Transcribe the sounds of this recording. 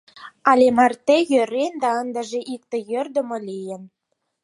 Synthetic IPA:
ɑlʲemɑrt̪ejøɾend̪ɑənd̪ə̆ʒĕʔik̚t̪ĕjørd̪ə̆molʲijə̆n

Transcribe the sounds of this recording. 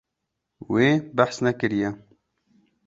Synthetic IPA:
weːbæħsnɛkɨɾijɛ

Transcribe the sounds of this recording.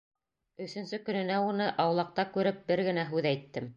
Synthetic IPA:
ɵ̆θɵ̆nsɵkɵ̆nɘ̆næunɤʔɑwlˠɑq̚t̪ɑkʉɾɘp̚bɘɾɡɘ̆næɦʉðæjt̪ːɘm

